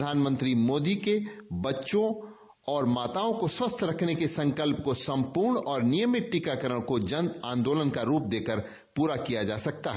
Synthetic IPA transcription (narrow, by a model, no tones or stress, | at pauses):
d̪ʱaːnmə̃nt̪ɾimoːd̪ikebɐtːʃõ | ɔːɾmaːt̪aõkoswəst̪ʰɾɐkʰnekesɐ̃ŋkəlp̚kosɐ̃mpuɾɳɔːɾnɪjəmɪʈʈɪkakəɾəɽ̃kod͡ʒɐ̃nd̪ãːnd̪oːlənkaɾuːp̚d̪eːkəɾ | puːɾakijad͡ʒaːsɐk̚t̪aɦɛ